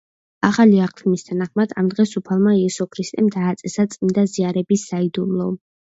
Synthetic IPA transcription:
aχaliaqʰt̪ʰmist̪ʰanaχmad̪amd̪ʁɛsupʰalˠmaiɛsɔkʰɾist̪ʼɛmd̪aːt̪sʼɛsat̪sʼind̪aziaɾɛbisːaid̪umlˠɔ

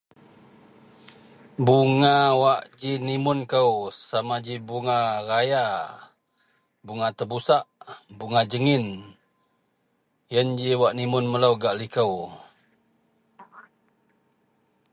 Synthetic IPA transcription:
buŋawaʔd͡ʒinimʊnkəwsamad͡ʒibuŋaraja | buŋat̪əbusaʔbuŋad͡ʒəŋɪn | jənd͡ʒiwaʔnimʊnmələwɡaʔlikəw

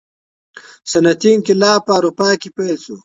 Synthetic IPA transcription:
sɐnɐt̪iːnkilaːpaːɾupaːkipelt͡su

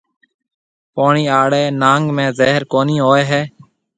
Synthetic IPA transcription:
poːɳiːaːɽeːnãːŋɡmẽːzeːɦəɾkoːnĩːɦoːeːɦɛː

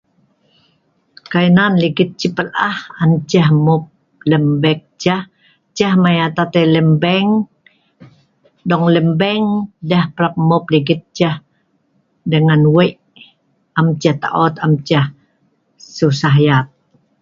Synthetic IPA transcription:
kajnanliɡɪt̪̚t͡ʃipəlʔahant͡ʃəhmʊp̚ | ləmbɛk̚t͡ʃah | t͡ʃahmajat̪at̪eləmbɛŋ | dɔŋləmbɛŋdəhpɾap̚mopliɡɪt̪̚t͡ʃah | dəŋanweʔ | amt͡ʃaht̪a̰ʔɔt̪amt͡ʃah | susaɦjat̪̚

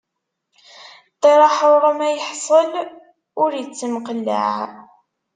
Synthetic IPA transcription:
təɾˤɑħoɾˤomæjəħsˤəl | ʊɾjət͡sːəmqəlːə̰ʕ

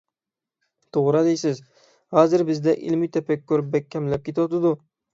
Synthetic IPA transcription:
t̪ʰoʁɾad̪ejsɪz | hɒzɪɾbɪzd̪aʔɪ̰lmɪjt̪ʰapʰakʲkʰʲːɵɾɪp̚bak̚ʲʰːamlap̚kʲʰet̪ɒt̪ɪd̪ʊ

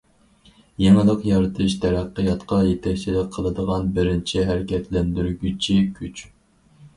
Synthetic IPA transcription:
jeŋɨlˠəqjɑɾɨt̪ʰɨʃt̪ʰɛɾæqːəjɑt̪qʰɑjet̪ʰɛk̚ʲt͡ʃʰilɪk̚ʲqʰəlˠɨd̪əʁɑnbɪɾɪnt͡ʃʰiɦæɾɪkʲʰɛt̪ʰlɛnd̪yɾɡʲyt͡ʃʰikʲʰyt͡ʃ

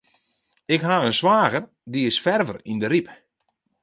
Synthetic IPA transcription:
ɪkɦaənswaːɣər | diɪsfɛrvərindəɾip

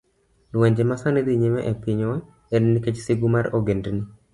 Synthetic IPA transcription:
lʊwɛɲd͡ʒemasaned̪iɲemɛʔɛpiɲɔ | enniket͡ʃsiɡumaɾoɡendni

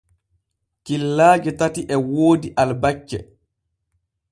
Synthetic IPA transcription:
kilːaːd͡ʒɛtatiʔɛwoːdiʔalbat͡ʃːɛ̰

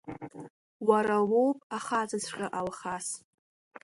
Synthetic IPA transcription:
waɾawowpʼaχat͡sʼɨt͡sʷʰqʲʼaʔalχas

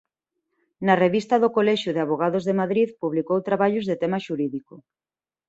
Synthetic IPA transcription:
nɐreβist̪ɐðokolɛʃjuðɪaβoɣaðozðemaðɾiðpuβlikowt̪ɾaβaʎʊzðet̪ɛmɐʃuɾiðiko

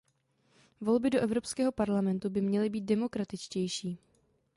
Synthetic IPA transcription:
vo̞lbɪdoʔɛvɾo̞pskɛːɦo̞paɾlamɛnt̪ubɪmɲɛlɪbiːt̪̚dɛmo̞kɾat̪ɪt͡ʃcɛjʃiː

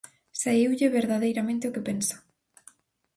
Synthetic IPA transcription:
saiwʎɪβeɾðaðejɾamẽnt̪ɪʊkepensḁ

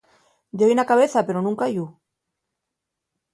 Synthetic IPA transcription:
deβjnakaβ̞eθape̞ɾonũŋkaʝu

